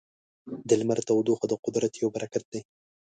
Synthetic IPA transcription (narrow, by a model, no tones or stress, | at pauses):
d̪ɪlmaɾt̪awd̪oxad̪əqʊd̪ɾat̪jowbaɾʔakat̪̚d̪ej